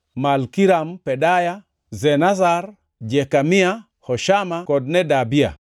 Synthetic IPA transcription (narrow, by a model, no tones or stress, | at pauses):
malkiɾampɛdaja | zɛnazar | d͡ʒɛkamia | hɔʃamakɔd̚nɛdabia̰